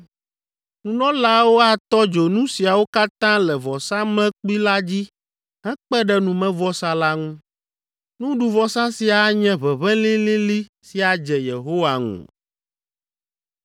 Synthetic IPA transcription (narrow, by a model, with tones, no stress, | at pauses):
nũ˨nɔ̃˦la˦wo˦a˨t̪ɔ˦d͡ʒo˨nũ˦si˨a˨wo˦ka˦t̪ã˦lɛ˨vɔ˨sã˦mɛ̃˦k͡pi˦la˦d͡ʑi˦ | ɦɛ̃˦k͡pɛ˦ɖɛ˦˨nũ˨mɛ̃˦vɔ˦sa˦la˦ŋũ˦ | nũ˦ɖu˨vɔ˦sã˦si˨a˨˦ɲɛ̃˦βɛ˨βɛ̃˦lĩ˦lĩ˦li˦ | si˨a˨d͡ʒɛ˨je˨ɦo˦wa˨ŋṵ̃˨